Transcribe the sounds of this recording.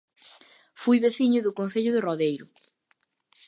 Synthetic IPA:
fujβeθiɲʊðʊkonθeʎʊðɪroðejɾʊ

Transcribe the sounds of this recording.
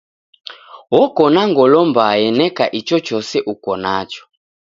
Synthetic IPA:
wɔkɔnaŋɡɔlɔmbajɛnɛkaʔit͡ʃɔt͡ʃɔsɛʔukɔnat͡ʃɔ̥

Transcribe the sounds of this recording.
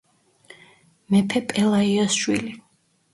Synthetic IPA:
mɛpʰɛpʼɛlˠaiɔsʃwili

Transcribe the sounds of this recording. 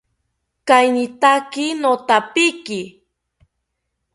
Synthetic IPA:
kajnɪt̪akɪnot̪apɪkɪ

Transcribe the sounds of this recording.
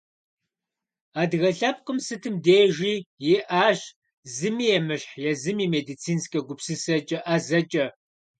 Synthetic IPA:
aːdɣɐɬɐp̚qʼɨmsɨtʰɨmdeːʒiːjeʔaːʒ | zɨmiːjɛmɨɕħjɛzɨmiːmeːdit͡sʰiːnskʼɐɡʷʊpsɨsɐt͡ʃʼɐʔazɐt͡ʃʼɐ

